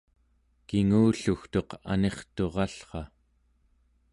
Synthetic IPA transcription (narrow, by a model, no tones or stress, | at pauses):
kiŋuːɬuxt̪o̞qa̰ne̞χt̪o̞ʁɑɬχɑ